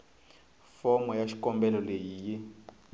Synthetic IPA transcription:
fɔmɔjaʃi̥kɔmbɛlɔlejiːji

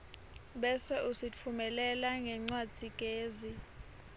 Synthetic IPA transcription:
ɓɛsɛʔusit͡fʰumɛlɛlaŋɛŋ͡ǀwad͡z̥ʱikʼeːzi

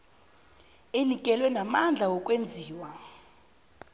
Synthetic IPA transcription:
enikʼɛlwɛnamand͡ɮʱawɔkʼwend͡zʱiːwa

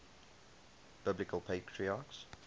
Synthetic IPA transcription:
b̥ɪblɪkəlˠpʰeɪtʰɹiaːks

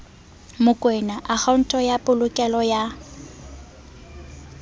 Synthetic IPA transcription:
mʊkʼwɛnaʔak͡xʰaʊn̩tʼɔjapʼʊlʊkʼɛlɔja

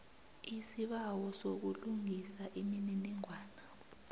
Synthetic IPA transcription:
isiɓawɔsok̬uluŋʱisaʔimininiŋʱwaːna

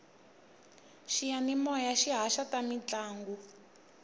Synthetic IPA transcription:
ʃijanimɔjaʃiɦaʃatamit͡ɬaːŋɡu

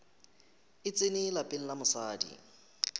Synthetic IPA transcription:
ɪt͡sʼɪnɪlapʼɪn̩lamʊsaːdḭ

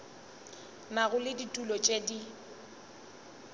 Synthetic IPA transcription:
maɣʊlɪditʼulɔt͡ʃʼedi

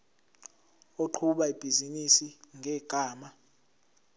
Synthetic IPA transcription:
oǃʰuɓaib̥ʱizinisiŋʱɛːɡ̥ʱaːma

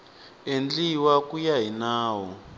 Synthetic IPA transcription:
end͡ɮiwakujaɦinaːwɔ

